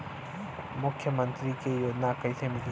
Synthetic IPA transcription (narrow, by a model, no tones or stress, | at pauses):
mʊkʰːjəmənt̪ɾikejonakɐjt̪ʰemili